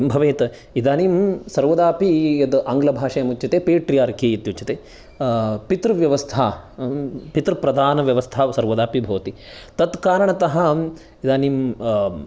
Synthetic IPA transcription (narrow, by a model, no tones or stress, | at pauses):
mbʱɐʋeːt̪ɐid̪aːniːmsɐɾʋɐd̪aːpijɐd̪ʔaːŋɡlɐbʱaːʂɐjɐmut͡ʃːt͡ʃːɐt̪eːpeːʈɾijaːɾkeːit̪jut͡ʃɐt̪eː | pit̪ɾʋjɐʋɐst̪ʰa | pit̪ɾpɾɐd̪ʱaːnɐʋjɐʋɐst̪ʰaːsɐɾʋɐd̪aːpibʱɐʋt̪it̪ɐt̪kaːɾɐɳɐt̪ɐɦɐ | id̪aːniːm